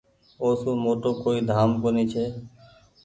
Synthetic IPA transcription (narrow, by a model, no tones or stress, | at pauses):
oːsũːmoːʈoːkoid̪ʱaːmkoniːt͡ʃʰeː